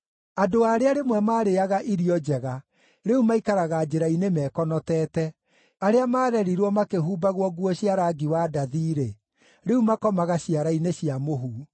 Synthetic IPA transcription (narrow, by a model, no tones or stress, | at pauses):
adoaːɾeaɾemwɛmaːɾeaɣaʔiɾiɔd͡ʒɛɣa | ɾeumaikaɾaɣad͡ʒeɾainemɛːkɔnɔtɛːtɛ | aɾeamaːɾɛɾiɾwɔmakeɦuːbaɣwɔɣuɔɕiaɾaɡiwadaðiɾe | ɾeumakɔmaɣaɕiaɾaineɕiamoɦu